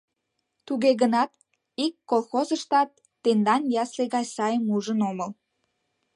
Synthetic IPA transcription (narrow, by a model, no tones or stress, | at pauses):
t̪uɣeɣənɑt̪ | ikːolˠxozəʃt̪ɑt̪ːend̪ɑnjɑsleɣɑjsɑjəmuʒənoməl